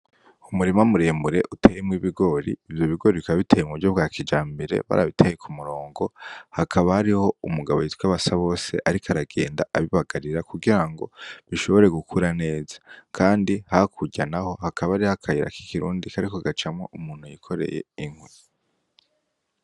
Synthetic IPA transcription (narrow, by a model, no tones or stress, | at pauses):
umuɾimamuɾemuɾe̞̰ʔutʰejemŋiβiɡo̞ɾiːvjo̞βiɡo̞ɾiikaβaβitʰejemŋuɟoβbɡaːkʰid͡ʒaːmbeɾe̞̰βa̰ɾa̰βitʰejekumuɾo̞ːŋɡo̞hakʰaβahaɾiho̞umuɡaβo̞jitkwaβasaβo̞ːse̞̰ʔaɾikʰaɾaɡe̞̰ːndaʔaβiβaɡaɾiɾakuɡiɾaŋɡo̞̰βiʃo̞βo̞ɾe̞ɡukʰuɾane̞ːzḁkʰaːndihakʰuɟanaho̞hakʰaβaaɾihakʰajiɾa̰ki̥kiɾṵːndikʰaɾikoɡat͡ʃamŋo̰ʔumuːn̥hujikʰo̞ɾe̞̰je̞̰iŋ̥wi